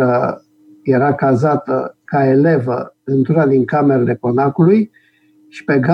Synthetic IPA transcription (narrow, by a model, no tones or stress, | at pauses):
ə | je̞ɾakazat̪ə̰kae̞le̞və̰ɨnt̪uɾad̪iŋkame̞ɾele̞ko̞nakuluj | ʃi̥pe̞ɡa